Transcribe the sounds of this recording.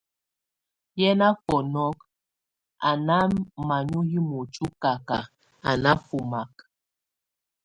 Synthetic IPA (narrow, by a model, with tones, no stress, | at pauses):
jɛ˦na˦fɔ˨nɔ˦k̚ | a˨na˦ma˨ɲu˦ji˦mo˨t͡ʃu˦ka˨ka˨ | a˨na˦fu˨ma˨k